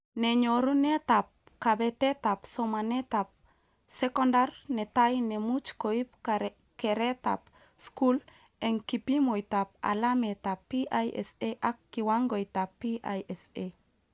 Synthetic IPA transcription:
neɲoɾunetap̚ | kabetetapsomanetap̚ | sekondarnɛtajnemut͡ʃkoip̚ | keɾɛta̰p | skul | ɛŋkipimojtap̚a̰lametapːiʔajʔɛ̰seʔakːiwaŋɡojtapːiʔajʔɛse

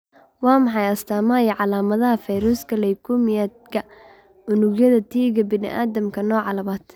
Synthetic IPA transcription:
wɑːmɑħɑjɐst̪ʰaːmaːjɐʕɑlaːmɐðɐɦɐfɛjɾuskʰɐlɛjkʰumɪjad̪̚kʰɐ | ʊnʊɡjɐðɐt̪ʰiːɣɐbɪnɪ̰ʔa̰ːdɐmkʰɐnɔːʕɑlɐmaːd̪̥

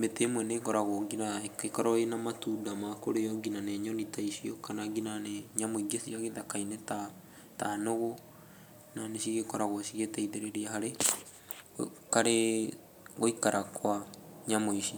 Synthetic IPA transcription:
betemwɛneːkɔɾaɣoɡinaekɔɾɔenamatudamakoɾejɔɡinaneɲɔnitaiʃiɔkanaɡinaneɲamoiɡesiaɣeðakaineta | tanoɣo | naneʃiɣekɔɾaɣwoʃiɣetɛiðeɾeɾiahaɾe | kaɾe | ɣoikaɾʔakwaɲamoiʃi

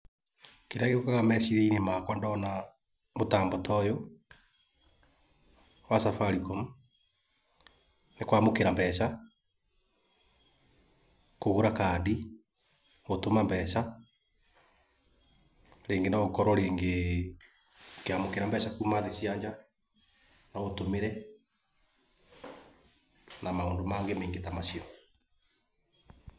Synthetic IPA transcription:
keɾaɣeokaɣamɛsiðeinemakwandɔna | motaːmbɔtɔjo | wasafaɾikɔmu | nekwamokeɾambɛɕa | koɣoɾakadi | otomambɛːɕa | ɾeːŋɡenaokɔɾɔɾeːŋɡe | okeamokeɾambɛʃakumaðesiaɲd͡ʒa | naotomeɾɛ | namaoːndomaːŋɡemeːŋɡetamaɕiɔ

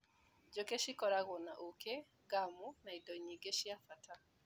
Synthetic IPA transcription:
d͡ʒokeʃikɔɾaɣɔnaʔoke | ɡamunaidɔɲiɡeʃiafata

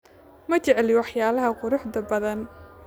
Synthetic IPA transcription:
mɐt͡ʃɛʕɛlɪwɑħjaːlɐɦɐqʊɾʊħd̪ɐbɐðɐn

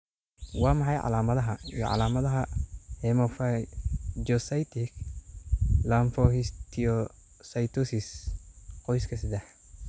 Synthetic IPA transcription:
wɑːmɑħɑjʕɑ̰laːmɐðɐɦɐijɔ̰ʕɑ̰laːmɐðɐɦɐhɛmɔfa | d͡ʒɔsɐjt̪ʰɪk | laɱfɔhist̪ʰiɔ | sɐjt̪ʰusɪs | qɔjskʰɐs̬ɪd̪ɛħ

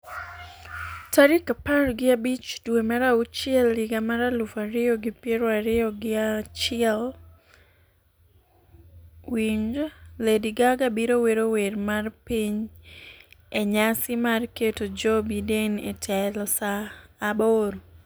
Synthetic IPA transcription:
taɾikapaɾɡɪabit͡ʃdwemaɾaut͡ʃɪɛlːɪɡamaɾalufaɾɪɔɡɪpjeɾoaɾɪɔɡɪat͡ʃɪɛl | wiɲd͡ʒlediɡaɡabiɾoweɾowermarpiɲ | eɲasɪmarketod͡ʒobidenetʰɛlɔsaːboɾ

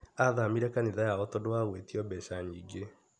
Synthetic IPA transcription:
aðamiɾɛkaniðajaɔtɔdoaɣwetiɔbɛʃaɲiːɡe

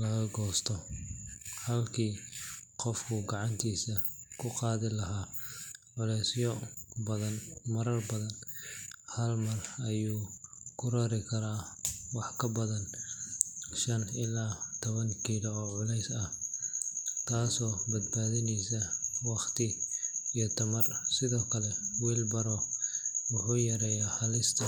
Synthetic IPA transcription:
lɐɣɐɡɔːst̪ʰɔ | hɐlkʰiːqɔfkʰʊɡɑʕɑnt̪ʰiːsɐkʰʊqɑːðɪlɐɦaːʕʊlɛjsjɔbɐðɐnmɐɾɐrbɐðɐn | hɐlmɐrɐjuːkʰʊɾɐɾɪkʰɐɾaːwɑħkʰɐbɐðɐn | ʃɐnɪlaːt̪ʰɔβɐŋkʰiːlɐɔːʕʊlɛjsɐh | t̪ʰaːsɔːbɐd̪baːðɪnɛjsɐwɑχt̪ʰɪijɔt̪ʰɐmɐrsɪðɔːkʰɐlɛwiːlbɐɾɔ | wʊħuːjɐɾɛjaːħɐlɪst̪ʰɐ

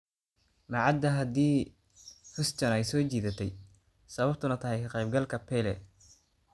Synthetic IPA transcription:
mɐʕɑd̪ːɐɦɐd̪iː | fɪst̪ɐnɛjsɔːt͡ʃiːðɐt̪ʰɛj | sɐβɐbt̪ʰʊnɐt̪ʰɐɦɛjkʰɐqɛjb̚ɡɐlkʰɐpʰɛlɛ̰

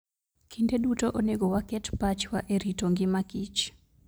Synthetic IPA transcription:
kʰindedutoʔoneɡowakɛtpat͡ʃwaʔeɾitoŋɡɪmakit͡ʃ

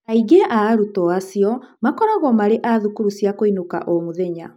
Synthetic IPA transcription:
aiɡeʔaːɾutɔasiɔmakɔɾaɣɔmaɾeʔaðukuɾusjakoinoka̰ʔɔmoðɛɲa

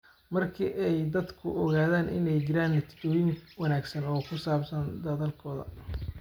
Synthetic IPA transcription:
mɐrkʰiʔɛjd̪ɐd̪kʰʊʔɔɣaːðaːnʔɪ̰nɛjt͡ʃɪɾaːnːɐt̪ʰɪ̥t͡ʃɔːjɪŋwɐnaːɡsɐnɔːkʰʊsaːbsɐnd̪ɐðɐlkʰɔːðɐ̰

